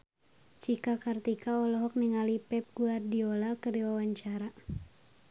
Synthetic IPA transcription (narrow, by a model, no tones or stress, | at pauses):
t͡ʃikakart̪ikaɔlɔɦɔk̚niŋalipɛp̚ɡuardiɔlakɨɾiwawaɲt͡ʃaɾa